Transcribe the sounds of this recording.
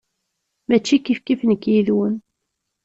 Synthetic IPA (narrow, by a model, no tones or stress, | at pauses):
mæt͡ʃːikifkifnəkːjiðwən